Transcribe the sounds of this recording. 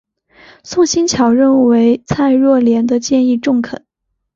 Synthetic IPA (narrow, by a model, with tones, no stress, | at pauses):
sʊ˥˩ŋɕi˥nt͡ɕʰjɑ˨˩ʊɻə˥˩nwe˧˥ɪt͡sʰa˥˧ɪɻwɔ˥˩ljɛ˧˥nd̪ə˧t͡ɕjɛ˥˧ni˥˧ʈ͡ʂʊ˥˩ŋkʰə˨˩˦n